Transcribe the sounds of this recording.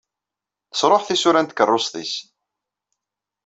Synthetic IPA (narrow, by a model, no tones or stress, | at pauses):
θə̥sˤɾˤoħθisʊɾænt̪kərˤːosˤðˤis